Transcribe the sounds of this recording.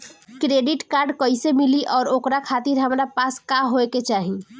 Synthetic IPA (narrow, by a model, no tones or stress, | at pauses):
kɾeɖiʈkaɾɖkəisemiliʔɔːɾokɾakʰat̪iɾɦəmɾapaskaɦoeket͡ʃaːɦi